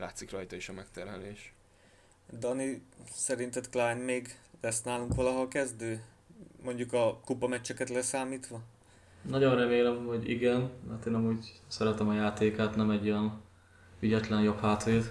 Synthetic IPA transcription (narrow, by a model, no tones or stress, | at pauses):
la̰ːt̪sikrɒjt̪ɒiʃɒmɛkt̪ɛrmɛleːʃ | d̪ɒnisɛɾint̪ɛt̪klaːjnmeːɡlɛsnaːluŋkʋɒlɒɦokɛzd̪øː | mo̞ɲɟukɒkupɒmɛt͡ʃːɛkɛt̪lɛsaːmiːt̪ʋɒ | nɒɟonrɛmeːlɛmho̞ɟḭɡɛnmɛrt̪eːnɒmuːɟsɛɾɛt̪ɛmɒjaːt̪eːkaːt̪nɛmɛɟojɛn | yɟɛt̪lɛnjo̞phaːt̪ɒjit̪